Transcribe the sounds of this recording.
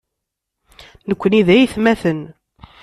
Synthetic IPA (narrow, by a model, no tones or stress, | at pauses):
nəkʷːəniðæjiθmæθən